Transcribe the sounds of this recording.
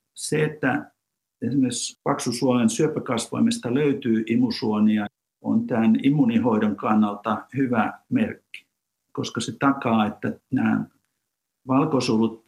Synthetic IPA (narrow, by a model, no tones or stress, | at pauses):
seet̪ːæ | esimˑespɑksusuolensyøpækɑsʋɑ̰imest̪ɑløyt̪yːimusuoniɑ | o̰nt̪ænimːunihoidoŋkɑnːɑlt̪ɑhyʋæmerkːi̥ | koskɑset̪ɑkɑːet̪ːænæː | ʋɑlkosulut̪̚